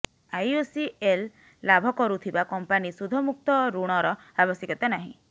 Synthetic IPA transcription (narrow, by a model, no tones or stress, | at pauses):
ajosielː | abʱɔkɔɾut̪ʰibakɔmpanisud̪ʱɔmuk̚t̪ɔɾuɽ̃ɔɾɔ | abɔsjekɔt̪anaɦḭ̃